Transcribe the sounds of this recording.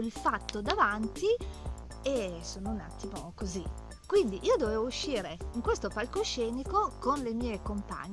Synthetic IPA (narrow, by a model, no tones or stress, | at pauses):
ilfat̪ːod̪avant̪i | esoːnouna̰t̪ːimokozi | kwind̪iʔiːod̪oveːvouʃːiːɾeiŋkwest̪opalkoʃɛːnikokonlemiːekompa̰ɲː